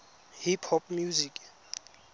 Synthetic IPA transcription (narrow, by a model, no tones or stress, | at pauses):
hipʰhɔpʼmjuzikʼ